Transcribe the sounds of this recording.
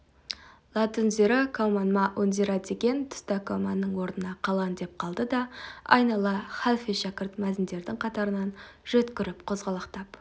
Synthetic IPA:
lˠɑt̪ʊnzeɾɑkʰomɑnmɑʔɵnzeɾad̪e̞ɡʲe̞nt̪ʰʊ̥st̪ɑkʰomanːəɴwo̞ɾnənɑqʰɑlˠɑnd̪e̞p̚qʰɑlˠd̪əd̪ɑɑ̰jnɑlˠɑχalˠfijʃɑkʲɪɾt̪mæzɪnd̪e̞ɾd̪ɪŋqʰɑt̪ɑɾənɑnʒ̥ɵt̪kʲɪɾɪpqʰozʁɑlˠɑqt̪ɑp

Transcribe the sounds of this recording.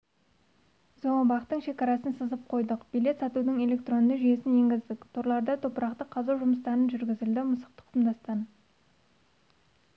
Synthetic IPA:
zo̞ɴəbɑqt̪əɴʃe̞kɑɾɑsənsəzəp̚qʰo̞jd̪əqbijle̞t̪sɑt̪ud̪əŋe̞lʲe̞k̚t̪ro̞nneʒʏje̞sɪnje̞ŋɡʲɪzd̪ɪkʲt̪ʰoɾlˠɑɾd̪ɑt̪ʰo̞pəɾɑqt̪əqʰːɑzɑwʒʊməs̬t̪ɑɾənʒʏɾɡʲɪzɪld̪ɪmʊsə̥q̚t̪ə̥q̪ʰmd̪ɑst̪ɑn

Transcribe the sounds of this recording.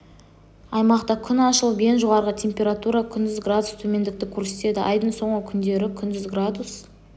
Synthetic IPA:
ɑjmɑqt̪ɑkʲʰʏnɑʃəlˠbe̞nʒoʁɑɾʁət̪ʲʰe̞mpʲe̞ɾat̪uɾɑkʲʰʏnd̪ɪzɡrad̪ust̪ʰɵme̞nd̪ɪk̚t̪ɪkʲʰuɾse̞t̪e̞d̪ɪ̰ʔɑjd̪ənso̞ɴʁəkʲʰʏnd̪e̞ɾɪkʲʰʏnd̪ʏzɡrad̪us

